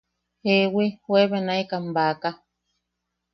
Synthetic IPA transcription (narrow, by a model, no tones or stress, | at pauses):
hewihweβenãikambaka